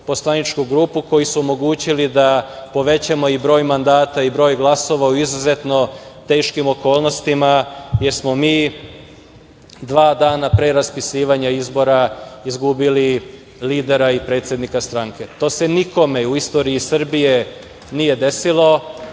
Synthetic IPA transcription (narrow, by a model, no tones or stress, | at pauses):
po̞slˠanit͡ʃkuɡɾuːpuko̞jisuomo̞ɡuːt͡ɕilid̪apo̞ʋe̞t͡ɕamo̞ibɾo̞ːjmand̪aːt̪aibɾo̞ːjɡlˠaso̞ʋauizuze̞t̪no̞t̪e̞ːʃkimo̞ko̞ːlˠno̞st̪imajeɾsmo̞miː | d̪ʋaːd̪aːnapɾeɾaspisiːʋaɲaizbo̞ɾaizɡubili | liːd̪e̞ɾaipɾet̪sje̞d̪nikast̪ɾaŋke̞t̪o̞ːse̞niko̞me̞uist̪o̞ːɾiisr̩bije̞ | nije̞d̪e̞silo̞